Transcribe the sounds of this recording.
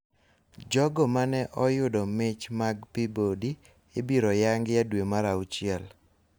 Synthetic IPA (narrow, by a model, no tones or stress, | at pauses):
d͡ʒɔɡɔmanɛʔɔjʊdɔmɪt͡ʃmaɡpibodi | ebiɾɔjaŋɡjadwemaɾaʊt͡ʃɪɛl